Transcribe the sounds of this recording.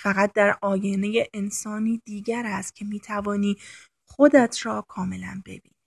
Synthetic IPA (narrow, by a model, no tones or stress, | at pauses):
fæɣæt̪̚d̪æɾɒːjenejeʔensɒːniːd̪iːɟæɾæst̪̚cʰe̞miːt̪ʰævɒːniː | χod̪æt̪ʰɾɒːkʰɒːme̞læ̰nbe̞̰bḭːni